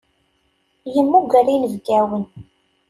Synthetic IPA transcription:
jəmːuɡəɾinəvɡæwən

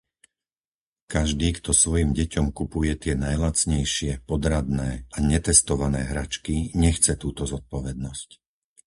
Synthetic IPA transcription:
kaʒd̪iːkt̪ɔsʋɔjimɟɛcɔmkupujɛt̪ɪɛnajlat͡sɲɛjʃɪɛpɔd̪ɾad̪nɛːaɲɛt̪ɛst̪ɔʋanɛːɦɾat͡ʃkiɲɛxt͡sɛt̪uːt̪ɔzɔt̪̚pɔʋɛd̪̚nɔsc

